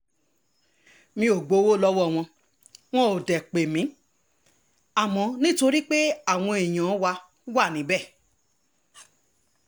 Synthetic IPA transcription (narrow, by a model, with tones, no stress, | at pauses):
mĩ˧o˨ɡ͡bo˨˦wo˦˨lɔ˦wɔ˦˨w̃ɔ̃˧ | w̃ɔ̃˦o˨dɛ˨k͡pe˨mĩ˨˦ | a˦˨mɔ̃˧nĩ˦to˧ɾi˦k͡pe˦a˦˨w̃ɔ̃˧e˨j̃ã˨˦wa˧˦ | wa˦˨nĩ˨˦bɛ˦˨